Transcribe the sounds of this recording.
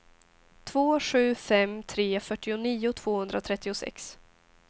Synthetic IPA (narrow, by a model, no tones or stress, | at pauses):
t̪ʰv̥oːɧʉ̟ːfɛmt̪ʰɾeːfœʈːɪʊniːʊt̪ʰv̥oːhɵnd̪ɾat̪ʰɾɛt̪ːɪʊsɛ̰ks